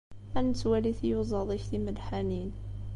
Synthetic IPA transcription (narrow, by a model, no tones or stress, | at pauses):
ʔænt̪wæliθijuzˤɑðˤiçθiməd̪ħanin